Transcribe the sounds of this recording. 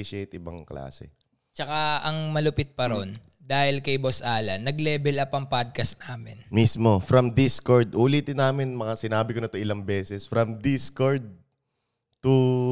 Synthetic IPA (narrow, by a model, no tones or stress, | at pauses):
iʃejt̪ɪbɐ̰ŋkla̰ːsɛ̰ | t͡ʃɐkaɐŋmɐlʊpɪt̪̚pɐɾon | d̪aːhɪlkɐjbosʔaːlɐnɐɡlɛːbɛlɐpɐŋpad̪̚kɐsnaːmɪnmismo̞fɾɐmd̪iskoɹd̪ʔuːliːt̪ɪnːaːmɪnmɐŋasɪnaːbɪkonɐt̪oʔɪlɐŋbɛːsɛsfɾɐmd̪iskoɹd̪̚ | t̪u